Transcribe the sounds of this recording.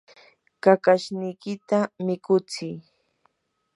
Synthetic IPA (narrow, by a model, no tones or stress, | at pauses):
kakaʃnɪjkɪt̪amɪkʊt͡sɪj